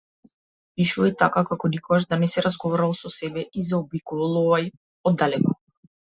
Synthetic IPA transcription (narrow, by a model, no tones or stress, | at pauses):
piʃuait̪akakakɔnikɔaʃd̪anɛsɛɾazɡɔvɔɾalˠsɔsɛbɛʔizaɔbikɔvalˠɔvaj | ɔd̪ːalɛkɔ